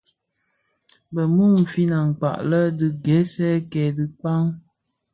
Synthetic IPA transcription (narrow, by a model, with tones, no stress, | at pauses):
bə˨mu˦˨m̩˨fi˦na˨ŋ˨k͡pa̰˨ʔlə˦dɨ˨ɡɛ˨˦sɛ˦kɛ˨dɨ˨k͡pa˦ŋ